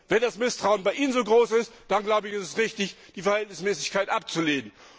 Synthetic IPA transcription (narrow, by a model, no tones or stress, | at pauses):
vɛndasmɪstʁ̥aʊənbaɪʔiːnənzoːɡʁoːsɪstd̥anɡlaʊbəɪçɛstɛsʁɪçtɪçd̥iːfɛɐhɛltnɪsmɛːsɪçkʰaɪtʔap̚t͡suleːnən̩